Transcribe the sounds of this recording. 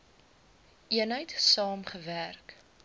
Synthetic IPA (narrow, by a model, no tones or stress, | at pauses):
ʔiənɦəjtsɑːmχəværk